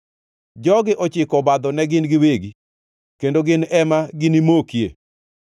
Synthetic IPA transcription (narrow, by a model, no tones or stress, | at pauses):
d͡ʒɔɡɪʔɔt͡ʃɪkɔbad̪ɔnɛɡɪnɡɪweɡi | kendoɡɪnɛmaɡɪnimokjḛ